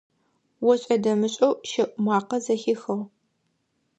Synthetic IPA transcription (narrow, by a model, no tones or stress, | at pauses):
wɔɕʼɐdɐmɨɕʼɐwʃɐʔʷʼmʷɑːqɐzɐxɪxɐʁ